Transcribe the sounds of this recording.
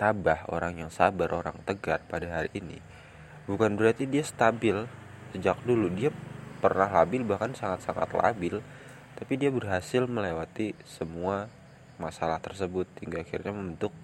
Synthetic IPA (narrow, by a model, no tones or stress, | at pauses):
t̪abaho̰ɾaŋjaŋsabaɾʔo̰ɾa̰ŋt̪əɡarpadaɦalinḭ | bukanbəɾart̪idiast̪abɪl | səd͡ʒak̚duludiapərnaɦlabɪlbahkansaŋat̪saŋa̰t̪la̰bɪl | t̪apidiabərɦasɪlməlewat̪isəmua | masalaht̪ərsəbʊt̪̚hiŋɡaːxirɲaməmbənt̪ʊk̚